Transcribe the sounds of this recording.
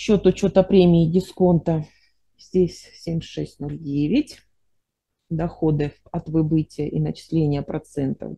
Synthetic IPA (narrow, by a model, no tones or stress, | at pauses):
ɕːo̞t̪ʊt͡ɕo̞t̪əpɾʲemʲɪːdʲɪsko̞nt̪ə | zʲdʲesʲsʲemʲʂɛsʲtʲnolʲdʲevʲɪtʲ | d̪ɐxod̪ɨ | ɐt̪vɨbɨtʲɪjəʔinət͡ɕɪ̥slʲenʲɪjəpɾɐt̪sɛnt̪ə̰f